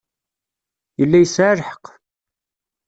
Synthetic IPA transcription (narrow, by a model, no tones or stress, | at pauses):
jəlːæjəsʕaɾħə̥q